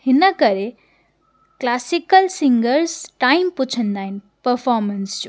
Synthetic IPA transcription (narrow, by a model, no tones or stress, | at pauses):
hinəkʌɾe | klasikəlsiŋɡəɾsʈajmput͡ʃʰənd̪ajn | pəɾpʰɔɾmənsd͡ʒu